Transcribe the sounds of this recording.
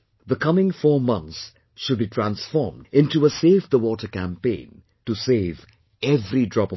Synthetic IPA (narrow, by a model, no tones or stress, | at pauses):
ðəkʰʌmɪ̃ŋfɔːmʌ̃nt̪s | ʃʊd̚bitʰɹæ̃nsfɔ̰ɹmdɪ̃ntuəseɪvd̪əwɔtə˞kæ̃mpẽɪ̃n | tuseɪv | ɛvɾidɹɑp